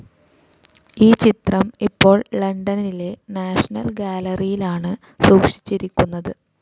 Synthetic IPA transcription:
iːt͡ɕit̪rɐmipːo̞ːɭlɐɳɖɐnile̞naːʂɐnɐ̰lɡaːlɐrijilaːɳɨ | suːkʂi̥t͡ɕːiɾikʲːunːɐðɨ

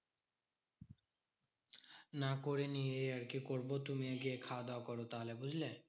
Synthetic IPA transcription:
nakoɾenieaɾkikoɾbot̪umiaɡiekʰad̪aokɔɾot̪aɦolebud͡ʑʱle

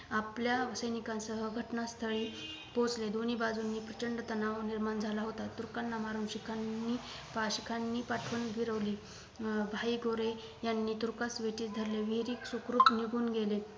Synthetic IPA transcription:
apljaʋəsəjnikãnsəɦəɡʱəʈnast̪ʰəɭiː | põt͡sled̪oniːbad͡zunːiːpɾət͡ɕəɳɖət̪ənaʋniɾmand͡zʱalaɦot̪at̪ːuɾkanːamaɾuːnɕikʰanːiː | paɕikʰanːiːpaʈʰʋənɡʱiɾəʋliː | bʱaiɡʱoɾe | janːiːt̪uɾkasʋeʈiːt͡sd̪ʱəɾleʋiɾiːksukɾuːt̪niɡʱuːnɡele

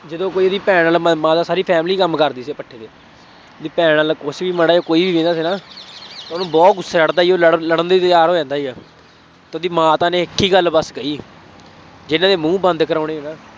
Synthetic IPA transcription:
d͡ʒəd̪õːkoːiːod̪iːpɛːaːlməmãːd̪aːsaːɾiːpʰɛːmliːkəmkəɾd̪iːseːpəʈʰːeːd̪eː | d̪iːpɛːaːlkʊsʋiːməɽaːoːkoːiːbiːẽːnd̪aːsiːnaːt̪aːnũːbɔːt̪ɡʊsːeːləɽd̪aːiːoːləɽləɽənd̪iːt̪jaːɾɦoːd͡ʒãːnd̪aːiːɛː | t̪ːd̪iːmãːt̪ãːnẽːɪkʰːiːɡəlbəskəiː | d͡ʒɪnãːd̪eːmũːbənd̪kəɾaːɽ̃eːeːnaː

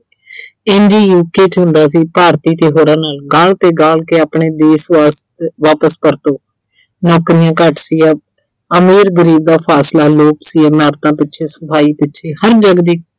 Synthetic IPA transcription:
ɛːnd͡ʒiːjuːkeːt͡ʃɦʊ̃nd̪aːs̬iːpaːɾt̪iːt̪eːɦoːɾãːnaːlɡaːlt̪eːɡaːlkeːaːpɳeːd̪eːsaːs | ʋaːpəspəɾt̪õː | nɔːkɾiːjãːkəʈsiːɛ | əmiːɾɡəɾiːb̚d̪aːpʰaːslaːloːpsiːɛmaːɾt̪ãːpɪtːʃʰeːsəpʰaːiːpɪtːʃʰeːhəɾd͡ʒəɡd̪iː

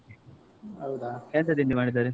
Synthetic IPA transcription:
ɐwd̪akeːnt̪ɐd̪ind̪imaːɽid̪ːaːɾe

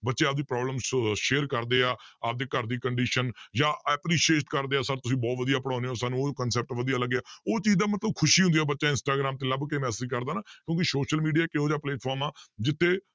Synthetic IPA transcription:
bətːʃeːaːp̚d̪iːpɾɔːbləmʃeːɾkəɾd̪eːaːaːp̚d̪eːkəɾd̪iːkəɳɖiːʃənjãːʔəːpɾiːʃeːʈkəɾd̪eːaːsəɾt̪ʊsĩːbɔːt̪ʋəd̪ijaːpəɽãːneːɦoːsaːnũoːkənsɛːp̚ʈʋəd̪ijaːləɡːaːoːt͡ʃiːzd̪aːmət̪ləb̚kʰʊʃiːɦʊ̃nd̪ːɛːbətːʃaːɪnsʈaːɡɾaːmt̪eːləbkeːmɛːsəd͡ʒkəɾd̪aːnaːkjõːkɪsoːʃəlmiːɖijaːkɪɦoːd͡ʒaːpleːʈpʰɔːɾmaːd͡ʒɪt̪ʰːeː

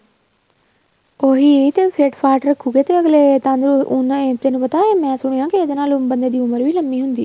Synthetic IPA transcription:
oːɦiːt̪eːpʰeːʈpʰaːɾʈɾəkʰːuːɡeːt̪eːəɡleːt̪ãːnd̪ɾunt̪eːnũːpət̪aːemɛ̃ːsʊɽ̃eːãːkɪeːd̪eːnaːlʊbənd̪eːd̪iːʊməɾʋiːləmːiːɦʊnd̪iː

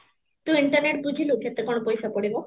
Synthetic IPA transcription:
t̪uiɳʈɐɾneʈ̚bud͡ʑʱilukɛt̪ekonopojʃapoɽibo

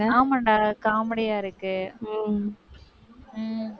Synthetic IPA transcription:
aːmɐɳɖaːkaːmɐɽɐjaːɪɾɯkːɯ

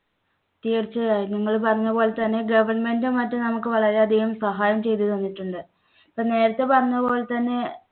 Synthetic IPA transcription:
t̪iːrt͡ɕːɨaniŋːɐɭpɐrɐɲːɐpo̞ːɭet̪ɐnːe̞ɡɐʋɐrɳmendemɐtːunɐmukːɨʋɐɭɐɾeɐd̪ʱiɣɐmsɐɦaːjɐmt͡ɕe̞jt̪uðʋɐnːiʈːuɳɖɨ | pːɐːne̞ːɾɐt̪ːe̞pɐrɐɲːɐpo̞ːɭet̪ɐnːe̞

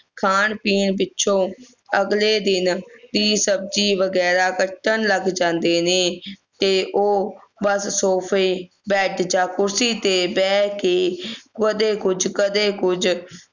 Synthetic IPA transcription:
kʰaːɳpiːɳp̬ɪtːʃʰõː | əɡleːd̪ɪnd̪iːsəb̚d͡ʒiːʋəɡɛːɾaːkəʈːəɳləɡd͡ʒãːnd̪eːneːt̪eːʔoːbəsːoːpʰeː | bɛːʈd͡ʒãːkʊɾsiːt̪eːbɛːkeːkəd̪eːkʊd͡ʒkəd̪eːkʊd͡ʒ

